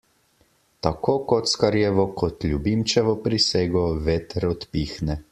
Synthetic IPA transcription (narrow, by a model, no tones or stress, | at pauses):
t̪akoːkɔt̪skaɾjɛʋɔkʰɔt̪lʲjubimt͡ʃɛʋɔpɾiseːɡɔʋɛt̪ɾɔt̪piːxnɛ